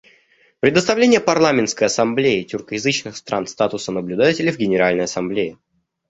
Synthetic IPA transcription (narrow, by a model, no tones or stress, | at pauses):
pɾʲɪd̪əst̪ɐvlʲenʲɪjəpɐrlˠamʲɪnt̪skəjɐsɐmblʲeɪtʲʊrkəjɪzɨt͡ɕnɨxst̪ɾanst̪at̪ʊsənəblʲʉd̪atʲɪlʲɪvɡʲɪnʲɪɾalʲnəjɐsɐmblʲeɪ